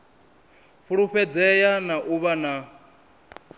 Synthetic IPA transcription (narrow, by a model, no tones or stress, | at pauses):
ɸuɺuɸɛd͡zɛjanaʔuβana